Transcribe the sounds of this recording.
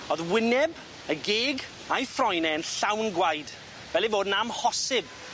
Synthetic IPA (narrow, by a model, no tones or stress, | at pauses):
oðwɪnɛb | əɡeːɡ | ajfrɔjnɛənɬawnɡwajd | vɛlivoːdnamhɔsɪb̚